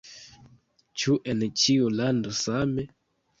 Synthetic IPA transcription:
t͡ʃuʔent͡ʃiulandosame

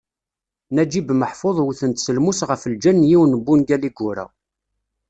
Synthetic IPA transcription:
næd͡ʒibməħfoðˤwuθənt̪səlmusʁəfəld͡ʒænːjiwnəbːunɡæliɡʊɾæ̰w

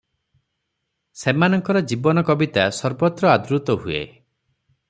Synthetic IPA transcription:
semanɔŋkɔɾɔd͡ʒibɔnɔkɔbit̪asɔɾbɔt̪ɾɔad̪ɾut̪ɔɦuḛ

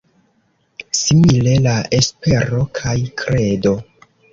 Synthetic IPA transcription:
simile̞laespe̞ɾo̞kʰajkʰɾe̞do̞

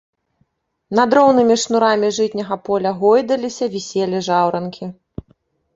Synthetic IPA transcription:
nad̪ɾɔwnɨmʲiʂnuɾamʲiʐɨt̪ʲnʲɐɣɐpɔlʲɐɣɔjd̪ɐlʲisʲɐvʲisʲɛlʲiʐawɾɐnkʲʰi

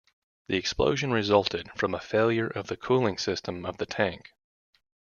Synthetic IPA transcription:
ðiɨksplo̰ʊʒɨ̃nɹɨzʌlˠtʰɪd̥fɹʌ̃məfeɪlˠjə˞ʔʌvðɨkʰulˠɪ̃ŋsɪstə̃mʌvðɨtʰæ̃ŋk

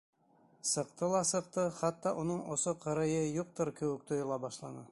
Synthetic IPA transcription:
sɤ̆qt̪ɤlˠɑsɤ̆q̚t̪ɤχæt̪ːɑʔunɤɴosoqʰɤ̆ɾɤ̆jɤjuq̚t̪oɾkɘ̆wɘk̚t̪ʰŏjɤ̆lˠɑbɑʃlˠɑnɤ

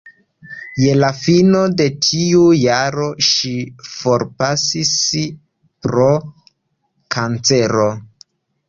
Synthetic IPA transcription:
je̞lafinode̞tʰiujaɾo̞ʃifo̞ɾpasis | pɾo̞ | kʰant͡se̞ɾo

